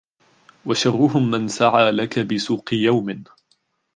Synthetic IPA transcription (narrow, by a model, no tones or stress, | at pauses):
waʃɑrˤːʊɦʊmːansaʕaːlakabɪsuːqɨjawmɪ